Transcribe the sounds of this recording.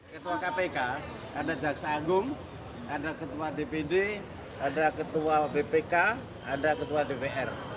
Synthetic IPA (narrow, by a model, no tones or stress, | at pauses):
kət̪uwakapeka | kandaʔd͡ʒaksaːɡʊŋ | aɳɖakət̪uwadepede | anɖakət̪uwabepeka | aɳɖakət̪uwadepeʔɛr